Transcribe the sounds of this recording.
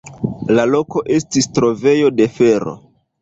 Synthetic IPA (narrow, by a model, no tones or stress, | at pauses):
lalo̞ko̞ʔe̞stistɾo̞ve̞jo̞de̞fe̞ɾo̞̰